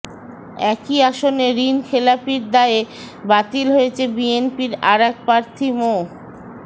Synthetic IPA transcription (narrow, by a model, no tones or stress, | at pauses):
ɛkiaʃoneɾinkʰelapiɾd̪aee | bat̪ilɦoet͡ɕʰebienpiɾaɾɛk̚pɾaɾt̪ʰimo